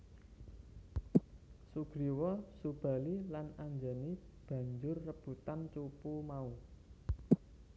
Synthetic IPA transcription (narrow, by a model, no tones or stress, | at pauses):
suɡ̥ɾiwɔsub̥ä̤lilanaɲd͡ʒani | b̥ä̤ɲd͡ʒʊrːəb̥ṳt̪ant͡ʃupumau